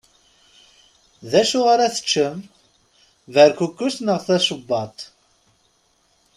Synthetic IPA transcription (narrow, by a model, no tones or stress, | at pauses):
ðæʃʊʁaɾæθə̥t͡ʃːəm | vəɾkukːusnəʁθæʃəbːɑt̪ˤ